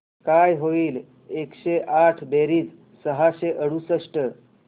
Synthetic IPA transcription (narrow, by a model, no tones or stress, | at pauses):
kajɦoiːl | ekɕeʔaʈʰbeɾiːd͡z | səɦaɕeʔəɽusəʂʈə